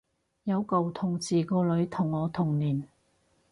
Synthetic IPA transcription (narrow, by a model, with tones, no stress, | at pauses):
jɐ˨˧wko˨wt̪ʰʊ˨˩ŋt͡siː˨˩kɔː˧lɵ˨˧˥ɥt̪ʰʊ˨˩ŋːɔː˨˧t̪ʰʊ˨˩ŋniː˨˩n